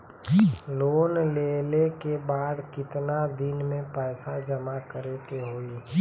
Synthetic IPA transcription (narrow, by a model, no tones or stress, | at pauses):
loːnleːlekebaːd̪kɪt̪nad̪ɪnmẽpɛːsad͡ʒəmakəɾet̪eɦoːi